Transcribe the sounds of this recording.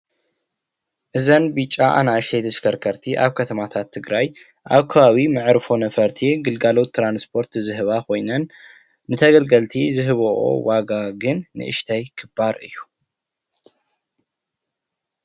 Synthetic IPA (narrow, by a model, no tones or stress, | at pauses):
ʔɨzɐnbit͡ʃʼːaʔa̰naʃejd̪ɐskʰɐɾkʰɐɾt̪ʰiʔaβkʰɐt̪ʰɐmat̪ʰat̪ʰːɨɡɾaj | ʔaβkʰɐβaβimɨʕɾfo̞nɐfɐɾt̪ʰiɡɨlɡalo̞t̪ːɾanspʰo̞ɾt̪zɨɦɨβakʰo̞jnɐnː | ɨt̪ʰɐɡɐlɡɐlt̪ʰizɨɦɨβoʔo̰waɡaɡɨnːɨ̰ʔɨ̰ʃt̪ʰajkʰɨbaɾʔɨ̰jːu̥